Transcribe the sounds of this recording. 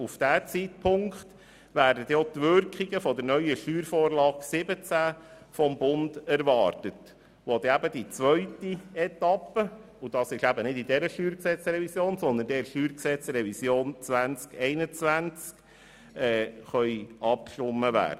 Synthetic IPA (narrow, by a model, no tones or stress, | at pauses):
ufd̥æːt͡siːtpʰʊŋkχt | ʋæːɾdədɛot̪ʋʏɾkχiɡəfɔdəɾnœʏəʃtyːɾfoːɾlɑːksɪbət͡sæ | fɔmbʊndæɾʋɑːɾtət | ʋɔd̥̪ɛæbəd̥it͡sʋœʏtiɛt̪ɑpə | ʊd̥ɑsɪʃæbənɪdidɛɾəʃtyːɾksɛt͡srɛvisjoːnsɔnd̪əndɛɾʃtyːɾksɛt͡sɾɛvisjoːnt͡sʋænt͡skɛɪnət͡sʋænt͡sk | ɛːχœʏʔɑp̚kʃtʊmːəʋæ̰ːd̥ə